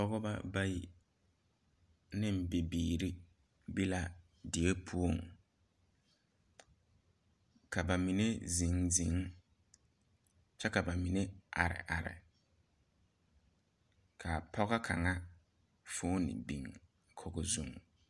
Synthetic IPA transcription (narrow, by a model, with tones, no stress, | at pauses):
pɔ˦ɣɔ˦ba̰˦ba˦ji˨ | nɪ̃˦m̩˨bɪ˨biː˨ɾi˦ | bi˦la˦ | dɪ˨e˦pʰu˦o˦˨ŋ | kʰa˨ba˨mi˨ne˦zĩ˨ŋzi˨˦ŋ | t͡ʃɛ˦ka˨ba˨mi˨ne˦ʔa̰˨ɾɪ̰˨ʔa˨ɾɪ̰˨ | kʰa˨pʰɔ˦ɣɔ˦kʰa̰˨ŋa˦ | fʊː˦nɪ̰˨bi˨ŋ | kʰɔ˦ɡɔ˨zu˦ŋ